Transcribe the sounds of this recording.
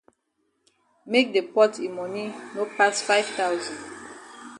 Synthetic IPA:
mek̚depɔtʰimɔninopasfaɪv̥taʊzɔ̃nd

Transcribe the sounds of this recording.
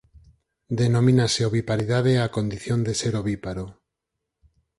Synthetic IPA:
d̪enomĩnaseoβipaɾiðaðeakond̪iθjond̪eseɾoβipaɾo

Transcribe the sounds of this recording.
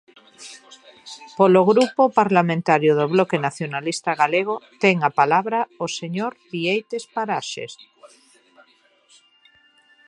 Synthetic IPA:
poloɣɾupopaɾlamẽnt̪aɾjoðoβlokenaθjonalist̪aɣaleɣ̞ot̪eŋapalaβɾaoseɲoɾbiejt̪espaɾaʃḛs

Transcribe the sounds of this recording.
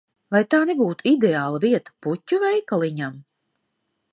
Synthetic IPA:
vajt̪aːnebuːt̪uid̪eaːlˠaviɛt̪ḁputʲːuvɛjkalˠiɲam

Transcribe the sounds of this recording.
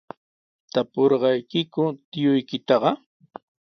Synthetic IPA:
t̪apoɾɢɑjkɪkʊt̪ɪjʊjkɪt̪ɑɢɑ

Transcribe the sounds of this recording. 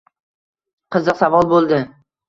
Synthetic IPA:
qʰɨzɨqsavɒlˠbolˠd̪ɪ

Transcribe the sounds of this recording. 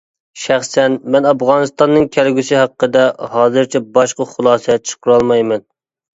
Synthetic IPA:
ʃæχsɛnmɛnɑpʁɑnɨst̪ɑnːɨŋkʲʰælɡʲysɪɦæqːəd̪ɛhɑːzɨɾt͡ʃʰɛbɑʃqɑχʊlˠɑːsɛt͡ʃʰə̥qʊɾɑlˠmɑjmɛn

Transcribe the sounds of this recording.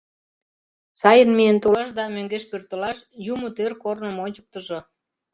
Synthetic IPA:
sɑjənmijənt̪olɑʃd̪ɑmøŋɡeʃpørt̪əlɑʃjumot̪ørkornə̆moɲʲt͡ɕə̥k̚t̪əʒo

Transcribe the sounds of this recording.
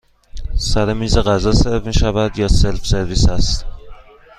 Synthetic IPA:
sæɾemiːzeɣæzɒːseɾfmiːʃævæd̪jɒːse̞lfse̞ɾviːsæst̪

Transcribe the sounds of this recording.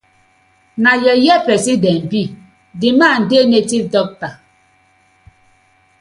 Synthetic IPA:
najɛjɛpɛsidɛm̩pi | diman̩denetidɔk̚ta

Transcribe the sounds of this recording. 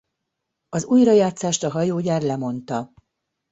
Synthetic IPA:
ɒzuːjrɒjaːt̪saːʃt̪ɒɦɒjoːɟaːrlɛmo̞nt̪ɒ

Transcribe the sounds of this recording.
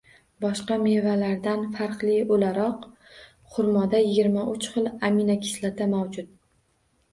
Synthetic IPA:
bɒʃqɑme̞valaɾd̪anfaɾqlˠɪolaɾɒq | χʊɾmɒd̪ajɪɡʲɪɾmaʔʊt͡ʃχɨlˠaminakʲʰɪ̥slat̪ʰamawd͡ʒʊt̪̚

